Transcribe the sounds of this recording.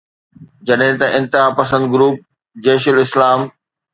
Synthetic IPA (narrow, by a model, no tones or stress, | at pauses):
d͡ʑɐɗɦɪ̃t̪ɐʔɪ̃nt̪ɪɦaːpɐsə̃nd̪ɡɾuːp̚ | d͡ʑeːʃəlɪslaːm